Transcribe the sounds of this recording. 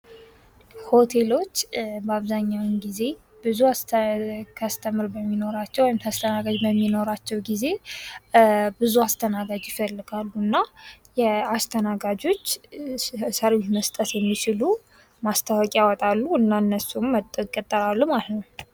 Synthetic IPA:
ho̞t̪ʰe̞lo̞t͡ʃːbəaβzaɲːawɨnɡize̞ | bɨzuas | kʰast̪ʰəmɨɾbəmːino̞ɾat͡ʃːɛwɔjmt̪ʰast̪ʰənaɡad͡ʒbəmːino̞ɾat͡ʃːɛwɡize̞ | bɨzuast̪ʰənaɡad͡ʒjɪfəlːɨɡalːuɨnːajɛast̪ʰənaɡad͡ʒo̞t͡ʃː | səɾwit̪məst̪ʼət̪jɛmːit͡ʃʰɪlu | mast̪ʰəwɔkʼiawɔt̪ʼalːuɨnːaɨnːəsumːət̪ʼəkʼət̪ʼːəɾalːumalət̪nəw

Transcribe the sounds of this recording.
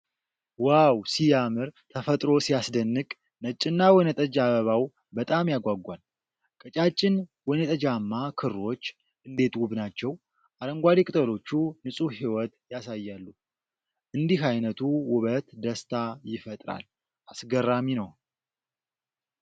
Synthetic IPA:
wawsijamɨɾt̪ʰəfət̪ʼɾo̞sijasd̪ənːɨkʼ | nət͡ʃʼːɪnːawɔnət̪ʼəd͡ʒaβəβaw | bət̪ʼamjaɡʷaɡʷan | kʼət͡ʃʼat͡ʃʼːɪnwɔnət̪ʼəd͡ʒamːakʰɨro̞t͡ʃː | ʔɨnd̪e̞t̪wuβnat͡ʃːɛw | ʔaɾəŋɡʷad̪ikʼɨt̪ʼəlo̞t͡ʃːunɨsʼuɦiwɔt̪jasajːalːu | ʔɨnd̪ihajnət̪ʰuwʊβət̪d̪əst̪ʰajɪfət̪ʼɾa̰l | ʔasɡərːaminəw

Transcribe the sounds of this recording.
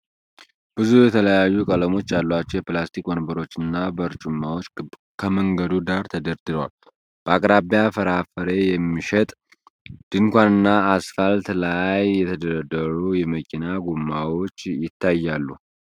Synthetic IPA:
b̥ɨzujɛt̪ʰələjajːukʼələmo̞t͡ʃːalːat͡ʃːɛwjɛplast̪ʰikmənbəɾo̞t͡ʃːɨnːabəɾt͡ʃʼumːawo̞t͡ʃː | kʰəməŋɡəd̪ud̪aɾt̪ʰəd̪əɾd̪ɨd̪wal | b̥əakʼɾabjafəɾafəɾe̞jɛmːiʃɛt̪ʼ | d̪̥ɨŋkʷanɨnːaːsfəlt̪lajːɛt̪ʰəd̪əɾəd̪əɾujɛməkʰinaɡumːawo̞t͡ʃːjɪt̪ːajːalːu

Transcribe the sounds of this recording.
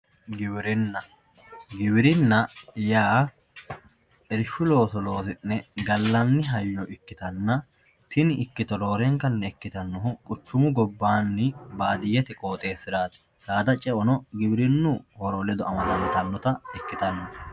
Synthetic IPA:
ɡɪbɾɪnːɐ | ɡɪbɪɾɪnːɐjaː | ɛɾɪʃʊlo̞ːt̪ɔlo̞ːt̪ɪnːɛɡɐlːɐnːɪɦɐjːɔʔɪkːɪt̪ɐnːɐ | t̪ɪnɪɪkːɪt̪ɔlo̞ːɾɛŋkɐnːɛɛkːɪt̪ɐnːɔɦʊkʼʊt͡ʃːʊmʊɡɔbːaːnːɪbaːd̪ɪjɛt̪ɪkʼoːt̪ʼe̞ːsɪɾaːt̪ɪ̥ | saːd̪ɐt͡ʃʼɛʔɔnɔɡɪbɾɪnːʊhɔɾɔlɛd̪ɔɐmɐt̪ɐnt̪ɐnːɔt̪ɐɛkːɪt̪ɐnːɔ

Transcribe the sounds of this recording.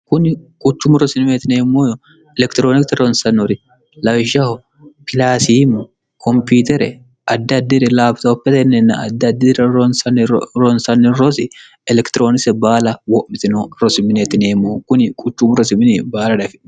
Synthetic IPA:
kʊnkʼʊt͡ʃːʊmʊɾɔsɪnmeːt̪ɪneːmːoːjɔ | ɛlɛkt̪ɪɾoːnɪkt̪ɐɾɔnsɐnːɔɾɪ | lɐʒɐhɔ | pʰɪlaːsiːm | kʰɔmpiːt̪ɛɾɛ | ɐd̪ːɐd̪ːɪɾɛlaːbt̪ɐɔpːɛt̪ɐnːɛnːɐ̰ɐd̪ːɐd̪ːɪɾɐnsɐnɾɔnsɐnːɪɾɔsɪ | ɛlɛkt̪ɪɾoːnɪsɛbaːlɐwɔʔmːɪt̪ɪnoɾɔsɪmɪneːt̪ɪneːmːoːkʊnɪkʼʊt͡ʃːʊmʊɾɔsɪmɪnɛbaːlɐdɐfɪ

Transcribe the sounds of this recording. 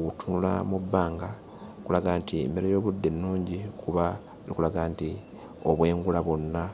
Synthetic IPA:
wutunula̰mubːaːŋɡa | kulaɡaːntiḛmbe̞ɾejo̞ːβudːe̞nːuːɲɟikuβa | likulaɡaːnti | o̞βwe̞ːŋɡulaβo̞nːa

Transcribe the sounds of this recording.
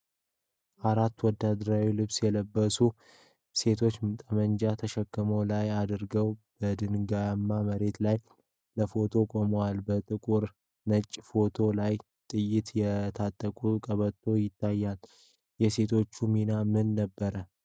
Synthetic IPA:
ʔaɾat̪ːwɔd̪ːad̪ɾawilɨβsjɛləbːəsu | se̞t̪ʰo̞t͡ʃːmt̪ʼəmənd͡ʒat̪ʰəʃɛkːəmowlajad̪ɾɡəwb̥əd̪ɨnɡamːaməɾe̞t̪laj | ləfo̞t̪ʰo̞kʼo̞məwalbət̪ʼɨkʼuɾ | nət͡ʃʼːfo̞t̪ʰo̞laj | t̪ʼɨjːɪt̪jɛt̪ʰat̪ʼːəkʼukʼəβət̪ʰːo̞jɪt̪ʰːajːal | jɛse̞t̪ʰo̞t͡ʃːuminamɨnːəbːəɾə

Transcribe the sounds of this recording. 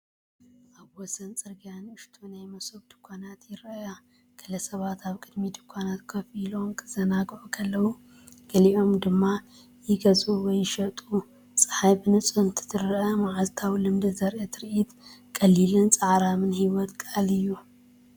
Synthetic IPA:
ʔaβwɔsɐnt͡sʼɨɾɡijanɨʃt̪ʰunajmɐsɨβd̪̥ɨkʰʷːanat̪jɪɾɐja | ɡ̥ʰɐlɐsɐβat̪ʰaβkʼɨd̪mid̪ɨkʷʰːanat̪kʰɐfilo̞mkʰɨzɐnaɡʕukʰɐlːɐwu | ɡ̥ɐliʔo̞md̪ɨmːa | jɪɡɐzuwɔjːɪʃɐt̪ʼu | t͡sʼɨ̥ħajbɨnɨt͡sʼɨnt̪ʰɨ̥t̪ʰɨɾʔɐmaʕalt̪ʰawlɨmd̪ɨzɐɾʔet̪ʰɨɾʔit̪kʼɐlilɨnt͡sʼaʕɾamɨnhiwɔt̪kʼalɨjːu

